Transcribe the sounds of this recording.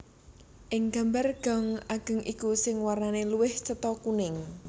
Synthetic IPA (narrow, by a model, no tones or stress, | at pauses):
ʔɪŋɡ̥a̤mbarɡ̥ɔ̤ŋaɡ̥ə̤ŋikusɪŋwarnaneluwɪht͡ʃət̪ɔkunɪŋ